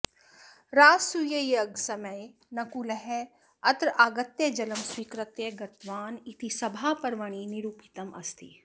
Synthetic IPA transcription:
ɾaːsujɐjɐɡsɐmɐj | nɐkulɐɦɛ | ɐt̪ɾaːɡɐt̪jed͡ʒɐləmswikɾət̪jeɡɐt̪ʋaːnit̪isɐbʱaːpɐɾʋɐɳ̃iniɾuːpi̥t̪ɐmʔɐ̰st̪ʰi

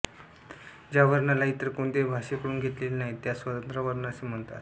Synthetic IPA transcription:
d͡ʑjaʋəɾɳalait̪əɾkoɳd̪ebʱaɕekəɽuːnɡʱet̪lelnaɦit̪jasʋət̪ənt̪ɾəʋəɾɳasem̤əɳt̪a̰t̪

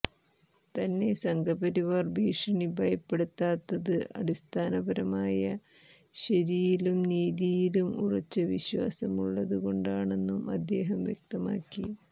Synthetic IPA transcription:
t̪ɐnːe̞sɐŋɡʱɐbɐɾiʋarbʱiːʂɐɳibʱɐjɐpːe̞ɽut̪ːaːt̪ːɐðɨɐ̰ɽist̪ʰaːnɐbɐɾɐmaːjɐ | ɕɐɾijilumniːðijilumṵrɐt͡ɕːɐʋiɕwa̰ːsɐmuɭːɐðuɣo̞ɳɖaːɳe̞nːumɐ̰d̪ːe̞ːɦɐmʋjek̚t̪ɐma̰ːkːi

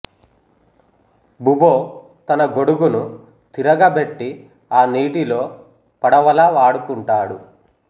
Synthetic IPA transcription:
buboː | t̪ɐnɐɡo̞ɽuɡunu | t̪iɾɐɡɐbe̞ʈːi | aːniːʈilo̞ː | pɐɽɐʋɐlɐːʋaːɽukuɳʈaːɽu

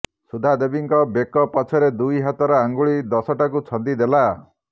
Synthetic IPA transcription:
sud̪ʱad̪ebiŋkɔbekɔpɔt͡ʃʰɔɾed̪ujɦat̪ɔɾɔaŋɡuɭid̪ɔsɔʈakut͡ʃʰɔnd̪id̪ela

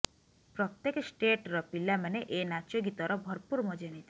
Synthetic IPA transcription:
pɾɔt̪ːekesʈeʈɾɔpilamaneʔenat͡ʃoɡit̪ɔɾɔbʱɔɾpuɾmɔd͡ʒenit̪ʰi

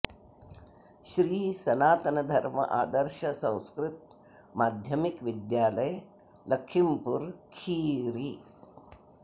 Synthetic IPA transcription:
ʃɾiːsɐnaːt̪ɐnɐd̪ʱɐɾmɐ̰ʔa̰ːd̪ɐɾʃɐsɐ̃w̃skɾɪt̪̚ | maːd̪ʱjɐmikʋid̪jaːlɐj | lɐkʰʃimpuɾkʰiːɾi

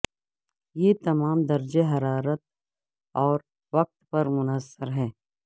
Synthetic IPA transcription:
jeːt̪ɐmaːmd̪ɐɾd͡ʒeɦɐɾaːɾət̪̚ | ɔːɾ | ʋɐk̚t̪pɐɾmʊnəsːəɾɦɛː

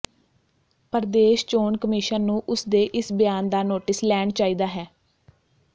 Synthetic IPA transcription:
pəɾd̪eːʃt͡ʃoːɳkəmɪʃənːũːʔʊsd̪eːʔɪsbɪjaːnd̪aːnoːʈɪslɛːɳt͡ʃaːiːd̪aːɦɛː

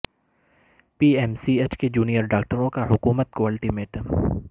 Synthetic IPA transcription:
piːɛmsieːt͡ʃked͡ʒuːnijəɾɖaːk̚ʈəɾõkaɦʊkuːmət̪̚koɐlʈimeːʈ

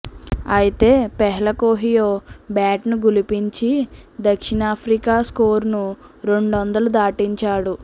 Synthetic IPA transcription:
ɐjit̪e̞ːpɛɦɛlɐkoːɦijoːbjaːʈnuɡulipiɲt͡ʃid̪ɐkʂiɳaːpʰɾikaːskoːɾnuɾe̞ɳɖʋɐnd̪ɐlud̪aːʈiɲt͡ʃaːɽu

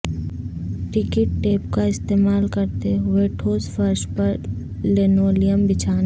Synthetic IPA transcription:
ʈɪkɪʈːeːpkaɪst̪eːmaːlkɐɾt̪eɦʊeʈʰoːsfɐɾʃpɐɾ | lenoːlijəmbɪt͡ʃʰaːn

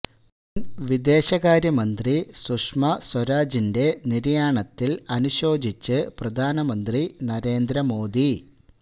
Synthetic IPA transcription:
nʋid̪e̞ːɕɐɣaːɾjɐmɐnd̪risuʂmɐswɐɾaːd͡ʑinde̞niɾijaːɳɐt̪ːilɐnuɕo̞ːd͡ʑit͡ɕːɨprɐd̪ʱaːnɐmɐnd̪rinɐɾe̞ːnd̪ɾɐmo̞ːd̪i

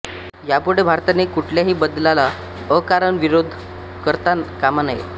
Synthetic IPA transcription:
japuɽ̤ebʱaɾt̪anekuʈʰljaɦiːbəd̪lala | əkaɾəɳʋiɾod̪ʱ | kəɾt̪akamanajḛ

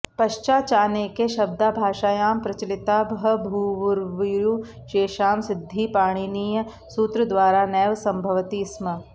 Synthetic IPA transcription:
pɐʃt͡ʃaːt͡ʃaːneːkeʃɐb̚d̪aːbʱaːʃaːjaːmpɾɐt͡ʃɐlɪt̪aːbɐɦɐbʱuːʋʊɾʋiɾju | ʃeːʃaːmsɪd̪ʱːipaːɽ̃iniːjə | suːt̪ɾɐd̪ʋaːɾanɛːʋsɐmbʱɐʋt̪ismɐ

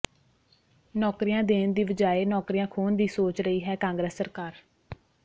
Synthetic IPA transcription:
nɔːkɾijãːd̪eːnd̪iːʋəd͡ʒaːeːnɔːkɾijãːkʰoːnd̪iːsoːt͡ʃɾəiːɦɛːkãːŋɡɾəːsːəɾkaːɾ

